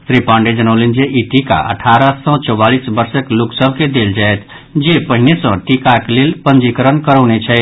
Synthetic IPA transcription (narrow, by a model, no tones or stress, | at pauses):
sɾipãɳɖed͡ʒənəʊlend͡ʒeʔiʈika̰ʔə̰ʈʰaɾəsə̃t͡ʃɔbalisbəɾsəkloksəbʱked̪eld͡ʒaet̪ | d͡ʒepəɦinesə̃ʈikaklelpənd͡ʒikəɾənkəɾəʊnet͡ʃʰɛ